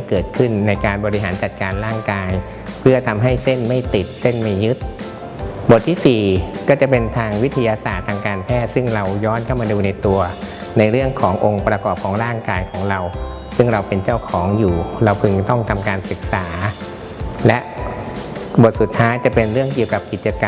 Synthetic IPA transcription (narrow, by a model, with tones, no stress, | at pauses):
a˥˩jkɤː˨˩t̪̚kʰɯ˥˩nːa˧jkaː˧nbɔː˧ɾi˧ɦaː˩˦nt͡ɕa˨˩t̪̚kaː˧nɾaː˥˩ŋkaː˧j | pʰɯ˥˩ɐt̪ʰa˧mɦa˥˩jse˥˩nma˥˩jt̪i˨˩t̪̚se˥˩nma˥˩jːɯ˦˥t̪̚ | bo˨˩t̪ʰːiː˥˩siː˨˩kɔː˥˩t͡ɕa˨˩pe˧nt̪ʰaː˧ŋwi˦˥t̪ʰːa˧ja˧saː˨˩t̪ʰːaː˧ŋkaː˧npʰɛː˥˩t̪̚sɯ˥˩ŋɾa˧wjɔː˦˥˨nkʰa˥˩wma˧duː˧na˧jt̪u˧ɐ | na˧jɾɯ˥˩əŋkʰɔː˩˦ŋʔo˧ŋpɾa˧kɔː˨˩p̚kʰɔː˩˦ŋɾaː˥˩ŋkaː˧jkʰɔː˩˦ŋɾa˧w | sɯ˥˩ŋɾa˧wpe˧nt͡ɕa˥˩wkʰɔː˩˦ŋjuː˨˩ɾa˧wpʰɯ˧ŋt̪ɔ˥˩ŋt̪ʰa˧mkaː˧nsɯ˨˩k̚saː˩˦ | lɛ˦˥ʔ | bo˨˩t̪̚su˨˩t̪ʰːaː˦˥jt͡ɕa˨˩pe˧nɾɯ˥˩əŋki˨˩əwka˨˩p̚ki˨˩t̪̚t͡ɕa˧ka˧